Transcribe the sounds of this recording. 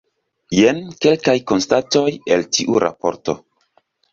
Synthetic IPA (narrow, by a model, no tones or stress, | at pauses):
jenke̞lkajko̞nstato̞je̞ltiʔṵɾʔa̰po̞ɾto̞̰